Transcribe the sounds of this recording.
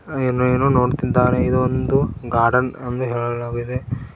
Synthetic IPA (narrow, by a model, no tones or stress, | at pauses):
eːnːueːnuno̞ːɖt̪id̪aːɾeid̪uond̪uɡaːɾɖɐnɐnʋuɦeːɭɐlaːɡid̪e̞